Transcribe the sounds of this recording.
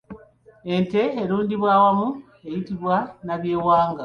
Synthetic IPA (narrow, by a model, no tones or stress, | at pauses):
e̞nte̞ːɾuːndiβwaːwamu | e̞jitiβwanaβje̞ːwaːŋɡa